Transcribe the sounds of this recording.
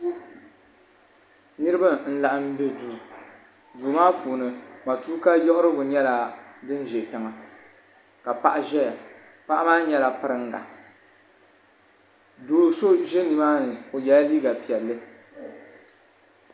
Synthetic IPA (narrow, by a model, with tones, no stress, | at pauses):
nɨ˦ɾɨ˦ba˦n̩˦la˨ʔa˦m̩˦be˦duː˦˨ | duː˨˦maː˦puː˨nɨ˨ma˨tuː˦ka˦jɔ˦ʔʊ˦ɾɨ˦ɡʊ˨ɲɛ˦la˨dɨ˦n˦ʒɛ˨ta˨ŋa˨ | ka˨pa˨ʔʒɛ˦˨ | pa˦ʔa˦maː˦ɲɛ˦la˨pɨ˦ɾɨ˦ŋ˦ɡa̰˨ | duː˨so˦ʒɛ˦ni˨maː˦nɨ˨o˨jɛ˦liː˦ɡa˨pi˨ɛ˨lːɨ˦